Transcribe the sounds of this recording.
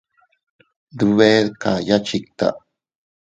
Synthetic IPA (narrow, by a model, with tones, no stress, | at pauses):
d̪uβe˦ðka˨ja˦t͡ʃi˨k̚t̪a̰˨ʔ